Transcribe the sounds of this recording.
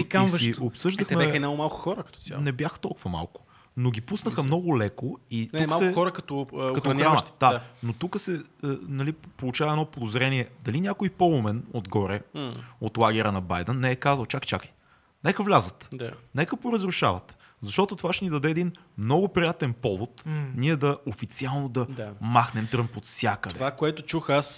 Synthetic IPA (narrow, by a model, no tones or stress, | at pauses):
aʃɡiopsɤʒd̪əxmɛɛinaʊmalˠkʊ̥xɔɾəkɐt̪ɔ̥anɛbjaxt̪ɔlˠkʊvɐma̰lˠkʊ̥ | noɡʲipusnəxəmnɔɡʊlɛkoit̪kmalˠsɛxɔɾəkɐt̪ɔkɐt̪ɔɐnxɾaand̪anot̪ukəsɛənɐlipolˠʊt͡ʃavɐɛnɔpod̪ozɾɛniɛd̪ɐlinʲakoipɔlˠʊmɛnod̪ɡɔɾɛot̪lˠaɡɛɾənɐbajd̪ənːɛɛkazvəlˠt͡ʃakt͡ʃa̰kj | nɛkəvlʲazət̪d̪anɛkəpoɾəzɾʊʃa̰vɐt̪ | zɐʃt̪ɔt̪ot̪ovaʃɛnid̪ɐd̪ɛːd̪in | mnɔɡʊpɾijat̪ɛnpɔvot̪niɛd̪ɐofit̪sialˠnod̪ɐd̪maxnɛmt̪ɾɤmpot̪fsʲjakəd̪d̪ɛovakoɛt̪ʊt͡ʃuxas